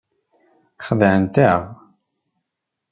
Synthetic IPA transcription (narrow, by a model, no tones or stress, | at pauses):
χəðʕənt̪əʁ